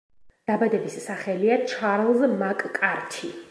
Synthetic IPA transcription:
d̪̥abad̪ɛbisːaχɛliat͡ʃʰaɾlˠzmakʼkʼaɾt̪ʰi

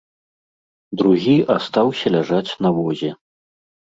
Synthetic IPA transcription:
d̪ɾuɣʲiast̪awsʲɐlʲaʐat͡sʲnɐvɔzʲɛ

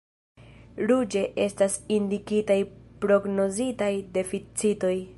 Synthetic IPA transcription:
ɾud͡ʒe̞ʔe̞stasindikitajpɾo̞ɡno̞zitajde̞fit͡sito̞j

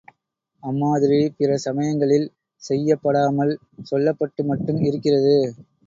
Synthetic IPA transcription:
ɐmːaːðɪɾipɪrɐsɐmɐjɐŋɡɐɭɪl | sɛjːɐpːɐɽaːmɐl | sɔlːɐpːɐʈːɯmɐʈːɯmɪɾɯkːɪrɐðɯ

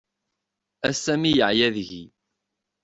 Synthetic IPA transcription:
æsæmijəʕjæðʝi

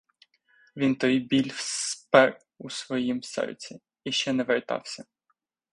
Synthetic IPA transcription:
ʋʲint̪ɔjbʲilʲfspɛɾ | usʋɔjimsɛ̰ɾt͡sʲi | iʃt͡ʃɛnɛʋeɾt̪ɑ̰wsʲɐ

